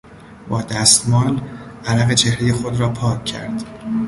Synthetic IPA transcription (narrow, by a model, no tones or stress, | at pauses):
bɒːd̪æst̪mɒːlʔælæɣe̞t͡ʃʰe̞hɾeje̞xo̞d̪ɾɒːpʰɒːcʰːæ̰ɾd̪̥